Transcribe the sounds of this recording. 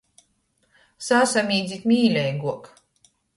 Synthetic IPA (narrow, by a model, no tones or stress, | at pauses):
sasamʲiːd̪zʲit̪mʲiːlʲɛjɡuɔk